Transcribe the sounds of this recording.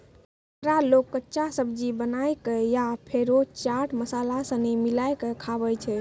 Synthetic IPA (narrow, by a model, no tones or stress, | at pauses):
ɾalokːətːʃasəbd͡ʒibənajkejapʰeɾot͡ʃaʈməsalasə̃nɛmilajkəkʰaβɛt͡ʃʰɛ